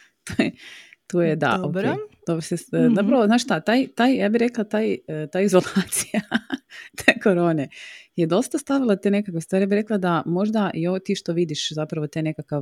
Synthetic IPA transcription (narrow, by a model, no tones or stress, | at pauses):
t̪ojet̪ojed̪a̰ʔoejd̪̥obɾosezapɾaʋoznaːʃst̪at̪aːjt̪aːjjaːbiɾe̞klˠat̪aːjt̪aːizo̞lˠaːt̪si̥ja | t̪ʰeko̞ɾo̞ːnejed̪o̞st̪ast̪aʋilˠat̪ene̞kakʋest̪ʋaɾijaːbiɾeklˠad̪amo̞ʒd̪aʔijot̪iʃt̪oʋid̪iʃzapɾɐaʋo̞t̪ene̞kakaʋ